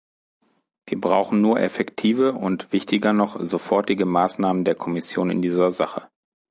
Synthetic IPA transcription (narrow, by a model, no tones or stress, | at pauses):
v̥iːɐbʁa̰ʊxn̩nuːɐʔɛfɛktʰiːvəʊntv̥ɪçtɪɡɐnɔχzofɔɐtɪɡəmaːsnaːməndeːɐkʰɔmɪsjo̰ːnɪ̰ndiːzɐzaχə